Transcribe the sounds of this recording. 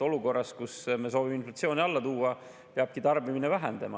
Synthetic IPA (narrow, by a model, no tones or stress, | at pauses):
o̞luko̞rːɑs̚kusmeːs̬o̞ːvimeinflɑt̪sio̞ːniɑlːɑt̪uːɑ | peɑb̥̚kit̪ɑrbiminevæɦḛnd̪̥ɑmɑ̰